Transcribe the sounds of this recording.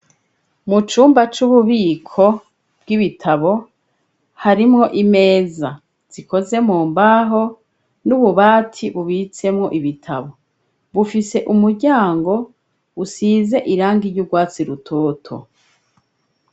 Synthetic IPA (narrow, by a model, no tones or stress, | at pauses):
mut͡ʃuːmbat͡ʃuβuβiːkʰo̞ | b̥̚ɡiβitʰaβo̞ | haɾimŋo̞ʔime̞ːza | z̥iko̞ze̞muːmbaɦo̞ | nuβuβaːtʰiβuβit͡se̞mŋo̞ʔiβitʰaβo̞ | βufise̞ʔumuɾɟaːŋɡo̞ | usiːze̞ʔiɾaːŋɡiɾɟuɡwaːt͡siɾutʰoːtʰo̞̰